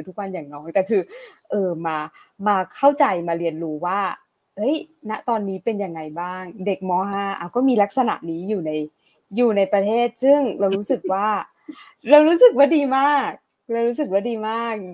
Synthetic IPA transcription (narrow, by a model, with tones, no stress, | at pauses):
t̪ʰu˦˥k̚wa˧njaː˨˩ŋnɔː˦˥ŋ̚t̪ɛː˨˩kʰɯː˧ʔɤː˧maː˧ | maː˧kʰa˥˩wt͡ɕa˧jmaː˧ɾi˧ənɾuː˦waː˥˩ | hɤ˦˥jna˦˥ʔt̪ɔː˧nːiː˦˥pe˧nja˧ŋːa˧jbaː˥˩ŋde˨˩k̚mɔː˧˥ɦaː˧˥ʔaː˧wkɔː˥˩miː˧la˦˥k̚sa˧na̰˨˩ʔniː˦˥juː˨˩na˧j | juː˨˩na˧jpɾa˧t̪ʰeː˥˩t̪̚sɯ˥˩ŋla˧wɾuː˦˥sɯ˨˩k̚waː˥˩ | ɾa˧wɾuː˦˥sɯ˨˩k̚waː˥˩diː˧maː˥˩k̚ | ɾa˧wɾuː˦˥s̬ɯ˨˩k̚waː˥˩diː˧maː˥˩k̚